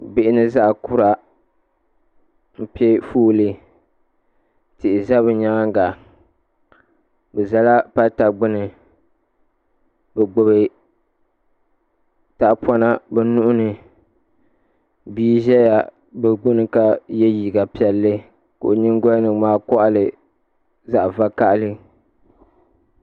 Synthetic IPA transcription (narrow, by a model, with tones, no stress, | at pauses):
bɪ˨ʔɪ˦nɨ˦za˦ʔkʊ˦ɾa˨ | pɛ˦fuː˦lɨ˦ | tɪ˨ʔɪ˨za˦bɨ˨ɲa˦ŋa˦ŋ˦ɡa˨ | bɛ˨za˦la˦pa˦ta˨ɡ͡bʊ˦nɨ˨ | bɛ˨ɡ͡bʊ˨bɨ˨ | ta˨ʔpɔ˦na˦bɛ˨nʊ˦ʔʊ˦nɨ˨ | biː˦ʒɛ˦ja˨ | bɛ˨ɡ͡bʊ˦nɨ˨ka˦jɛ˦jiː˨ɡa˨pi˦ɛ˨lːɨ˦ | ko̰˨ʔo˨ɲɪ˦ŋɡɔ˦lnɨ˨maː˦kɔ˦ʔa˦lɨ˨ | za˦ʔva˦ka˦ʔa˦lɨ˦